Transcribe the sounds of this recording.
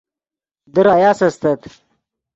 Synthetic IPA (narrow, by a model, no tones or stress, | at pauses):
d̪əɾaːjaːsɐst̪ɐt̪